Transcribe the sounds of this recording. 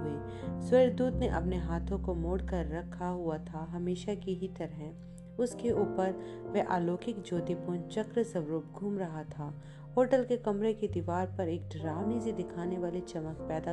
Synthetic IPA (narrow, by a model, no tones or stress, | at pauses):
ɦʊesweːɾd̪uːd̪neʔɐpneɦaːt̪ʰõkomoːɽkɐɾːɐkʰaɦʊat̪ʰaɦɐmeːʃakiɦit̪ɐɾɦɛ̃ | ʊskeuːpəɾʋɛʔa̰ːloːkɪkd͡ʒoːt̪ipoːnt͡ʃɐkɾəsɐʋɾuːp̚ɡʱuːmɾɐɦat̪ʰaː | oːɾʈəlkekɐmɾeked̪iːʋaːɾpɐɾeːk̚ɖɾaːʋniːzid̪ɪkʰaːneʋaːlit͡ʃɐmək̚pɛːd̪a